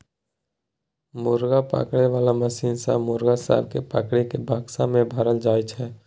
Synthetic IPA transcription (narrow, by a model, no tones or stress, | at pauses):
mʊːɾɡapa̰ːkɽeʋaːlaməsiːnsa̰ːmʊɾɡasa̰ːb̚kepa̰ːkɽekebʱaːɡsamẽbʱaɾəld͡ʒaːjt͡ʃɦɛː